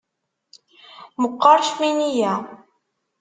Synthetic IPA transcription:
məqːɑɾˤʃminijæ

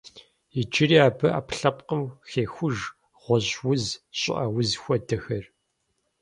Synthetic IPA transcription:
id͡ʒɪɾiːaːbɨa̰ːpɬɐpqəmxeːxʷʊʒ | ʁ̥ʷɔʑwʊzɕʼɪ̰ʔɐwʊzxʷɔdɐxɐr

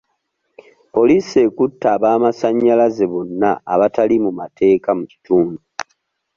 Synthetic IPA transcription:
po̞liːse̞ːkutːaːβaːmasaɲːalazeβo̞nːaːβatalimumatʰe̞ːkamuci̥tuːndu

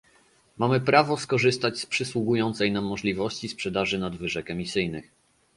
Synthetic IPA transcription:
mamɘpɾavɔskɔʐɘst̪at͡ɕspʂɘswuɡujɔnt̪sɛjnamːɔʐlʲivɔɕt͡ɕispʂɛd̪aʐɘnad̪vɘʐɛkɛmʲisɘjnɘx

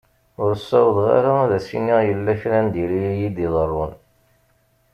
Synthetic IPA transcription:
ʊɾəsːæwðʁa̰ɾaæðæsḭniʁjəlːæçɾænd̪iɾijijid̪iðˤərˤːʊn

